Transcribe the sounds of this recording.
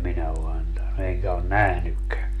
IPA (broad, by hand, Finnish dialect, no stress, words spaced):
minæ o ɑntɑnu eŋkæ on næhnykːæː